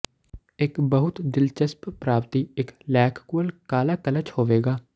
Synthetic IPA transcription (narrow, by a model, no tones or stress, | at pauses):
ɪkbəɦʊt̪d̪ɪlt͡ʃəsppɾaːpt̪iːɪklɛːkʰkuəlkaːlaːkələt͡ʃhoːʋeːɡaː